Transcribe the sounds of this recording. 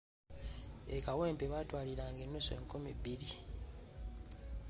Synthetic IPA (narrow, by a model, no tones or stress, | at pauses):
ekaweːmpeβatwaːliɾaːŋɡenːo̞soḛːŋkumibiɾi